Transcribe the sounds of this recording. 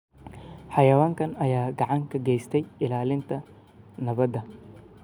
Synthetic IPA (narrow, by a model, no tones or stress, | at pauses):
ħɑjɐwaːŋkʰɐnɐjaːɡɑʕɑŋkʰɐɡɛjst̪ʰɛjɪlaːlɪnt̪ʰɐ | nɐβɐd̪ɐ